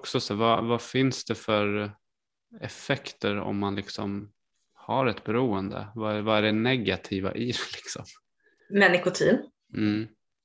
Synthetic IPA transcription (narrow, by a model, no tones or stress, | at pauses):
ksɔsæɾvavafɪnsd̪ɛfœɾ | ɛfɛkt̪əɾɔ̰mːanlɪksɔm | haɾɛt̪bɛɾuːənd̪ə̰vaævaæɖɛnɛɡat̪ʰiːva̰ʔɪɾlɪksɔ̰m | mɛnɪkʊt̪ʰḭːn | m̩ː